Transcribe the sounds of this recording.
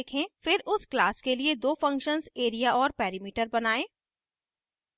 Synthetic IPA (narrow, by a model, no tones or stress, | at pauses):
kʰẽfɪɾʔʊsklaːskelied̪oːfɐ̃ŋkʃənzeːɾijaʔɔːɾpɛːɾimiːʈəɾbɐnaːẽː